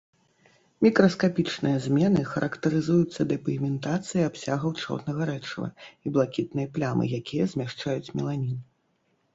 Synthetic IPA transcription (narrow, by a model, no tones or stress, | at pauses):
mʲikɾɐskapʲit͡ʂnɨjɐzʲmʲɛnɨxɐɾʔɐkt̪ɐɾɨzujut̪sːɐd̪ɐpʲimʲɛnt̪at̪sɨjiapsʲaɣɐwt͡ʂɔ̰rnɐɣɐɾɛt͡ʂɐvɐ̰iblˠakʲit̪nɨjɐplʲamɨ̰jakʲijɐzʲmʲaʂt͡ʂajut͡sʲmʲɛlˠanʲin